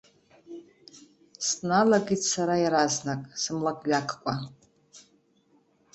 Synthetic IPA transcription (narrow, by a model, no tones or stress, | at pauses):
snalaɡʲitsaɾajɾaznakʼsɨmlakʼɥakʰkʷʼa